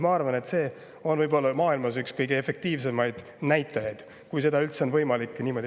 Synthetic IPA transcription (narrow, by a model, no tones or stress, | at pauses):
mɑɑrvɑne̞t̪se̞ː | o̞nvɤjbo̞lːɑmɑːilmɑsykskɤjɡeefe̞k̚t̪iːvse̞mɑjd̪̥ | næjt̪ːˑɑjɑjd̪̥ | kujse̞d̪ɑylt̪se̞onvɤjmɑlikːˑniːmo̞d̪̥ʲi